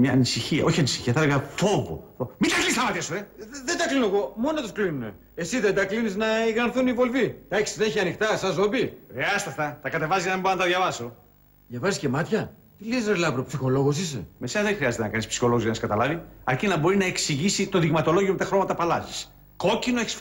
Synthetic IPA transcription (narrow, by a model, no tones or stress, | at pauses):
mɲɐːnisiçiɐ̰ʔo̞çiɐnisi̥çiɐθɐðeɣɐθo̞vo̰omid̪ɐklinist̪ɐmɐt̪iɐsueðe̞nd̪ɐklinoɣo̞mo̞not̪osklinune̞̰ | esiðed̪ɐkliniznɐiɣɾɐɾθunivo̞lvid̪ɐecsi̥eneçiɐnixt̪ɐsɐzo̞bixɾiɐsest̪eɐft̪ɐt̪ɐkɐt̪e̞vɐzizɐnɐmibɾɐnɐt̪ɐðjɐvɐso̞ | ðʝɐvɐziscemɐt̪çɐ | t̪ilesɾelɐvɾopsixo̞lo̞ɣos̬ise̞̰me̞senɐzðexɾiɐzet̪enɐkɐnispsi̥xo̞loɣzʝɐnɐskɐt̪ɐlɐviɐɾcinɐboɾinɐe̞ksiʝisit̪o̞ðiɣmɐt̪o̞lo̞ʝiomet̪ɐxɾo̞mɐt̪ɐpɐlɐzis | ko̞cino̞eçi̥s